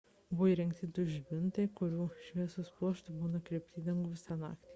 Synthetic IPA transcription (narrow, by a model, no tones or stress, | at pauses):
bʊʋiɾʲɛŋkt̪ʲɪd̪ʊʒʲbʲɪnt̪ɐɪkʊɾʲuːʃʲʋʲiɛsospuɔʃt̪ɐbuːnɐkɾʲiɛpʲt̪ʲiːd̪ʲɛŋɡʊʋʲɪsʲɑnɑ̰ːkt̪ʲiː